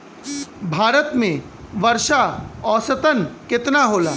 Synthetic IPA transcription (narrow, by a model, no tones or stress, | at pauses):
bʱaːɾət̪mẽ | ʋɐɾʃaɔːsət̪ənkɪt̪naɦoːlaː